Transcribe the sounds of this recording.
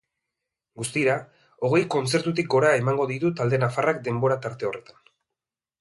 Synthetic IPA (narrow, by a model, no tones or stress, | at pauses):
ɡust̪iɾa | o̞ɣ̞e̞jko̞nt͡se̞ɾt̪ut̪ik̚ɡo̞ɾae̞maŋɡo̞ðit̪ut̪ald̪e̞nafarak̚d̪e̞mbo̞ɾat̪aɾt̪e̞o̞re̞t̪ḁn